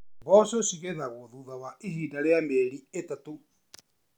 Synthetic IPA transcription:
bɔsosiɣeðaɣoðuðawaʔiɦiːdaɾeameɾietato

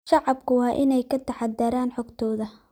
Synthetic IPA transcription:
ʃɑʕɑb̚kʰʊwɑːʔɪnɛjkʰɐt̪ʰɐħɑd̪ɐɾaːnħɔːɡt̪ʰɔːðɐ

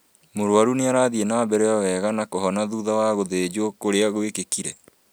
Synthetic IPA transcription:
moɾwaɾuneaɾaːðienaːbɛɾɛjɔwɛːɣanakoɦɔnaðuðawaɣoðed͡ʑokoɾeaɣwekekiɾɛ

